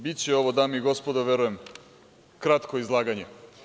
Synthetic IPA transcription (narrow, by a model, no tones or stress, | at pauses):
bit̪t͡ɕeo̞ʋod̪amiiɡo̞spod̪oʋeɾujem | kɾat̪koizlˠaːɡaɲe